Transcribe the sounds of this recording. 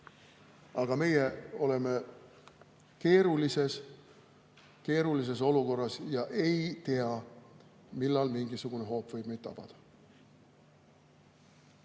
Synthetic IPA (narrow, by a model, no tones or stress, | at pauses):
ɑɡ̥ɑme̞jeo̞le̞me̞ | ke̞ːɾulise̞s | ke̞ːɾulis̬e̞s̬o̞luko̞rːɑsjɑʔe̞jt̪e̞ɑ | milːɑlmiŋɡ̥isuɡ̥une̞ɦo̞ːpvɤjb̥mejt̪t̪ːɑ̰b̥ɑ̰d̪̥ɑ̥